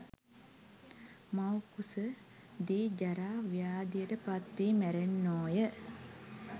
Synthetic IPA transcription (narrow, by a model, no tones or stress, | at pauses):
mawkusə | d̪iːd͡ʒaɾaːʋijaːd̪ijəʈəpat̪ʋiːmæɾenːoːjə